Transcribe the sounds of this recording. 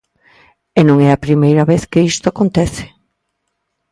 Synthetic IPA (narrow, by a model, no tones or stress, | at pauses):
enõŋɛɐpɾimejɾɐβeθkɪist̪oakont̪ɛθɪ̥